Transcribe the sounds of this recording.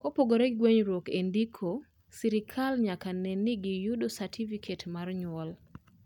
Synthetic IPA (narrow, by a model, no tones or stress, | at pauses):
kopoɡoɾɛɡweɲɾwɔkendikʰo | siɾikʰalɲakanɛnːɪɡɪjudosatʰifikʰetmarɲwɔl